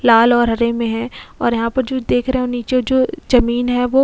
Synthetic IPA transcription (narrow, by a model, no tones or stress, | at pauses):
laːlɔːɾɦɐɾemẽɦɛ̃ɔ̰ːɾjɐɦãpɐɾd͡ʒoːd̪eːkʰɾeɦeɛ̃oniːt͡ʃed͡ʒoːd͡ʒɐmiːnɦɛʋoː